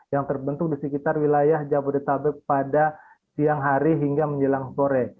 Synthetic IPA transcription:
jaŋt̪ərbənt̪ʊk̚disəkit̪arwilajahd͡ʒabudit̪abɛt̚pada | siaŋɦaɾiɦiŋɡaməɲd͡ʒəlaŋsoɾɛ

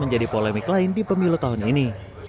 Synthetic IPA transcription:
məɲd͡ʒadipolemɪklaɪndipəmilut̪aɦʊnini

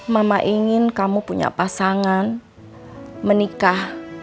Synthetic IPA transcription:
mamaʔiŋɪnkamupuɲa̰pasaŋan | mənikah

